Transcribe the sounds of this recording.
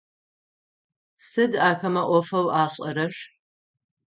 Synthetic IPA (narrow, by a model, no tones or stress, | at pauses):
sɨdaːxɐmɐʔʷɔfɐwʔaːɕʼɐɾɐɕ